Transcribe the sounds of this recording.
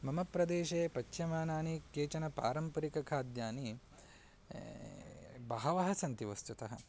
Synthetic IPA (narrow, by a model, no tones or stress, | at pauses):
mɐmɐpɾɐd̪eːʃeːpɐt͡ʃʃjɐmaːnaːnikeːt͡ʃɐnɐpaːɾɐmpɐɾikɐkʰaːd̪jaːni | bɐɦɐʋɐɦɐsɐnt̪iʋɐst̪ut̪ɐɦɐ̰̆